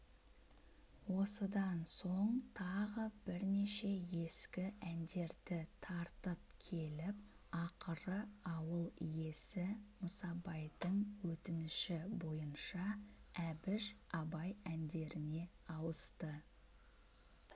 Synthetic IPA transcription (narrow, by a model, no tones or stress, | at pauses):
wo̞səd̪ɑnso̞ɴt̪ʰɑʁəbɪɾneʃe̞je̞skʲɪʔænd̪e̞ɾd̪ɪt̪ʰɑɾt̪əp̚kʲʰe̞lɪp | ɑqəɾəɑwəlˠije̞sɪmʊsɑbɑjd̪əɴwɵt̪ɪnɪʃɪbo̞jənʃɑæbɪʒɑbɑjænd̪e̞ɾɪne̞ɑwəst̪ə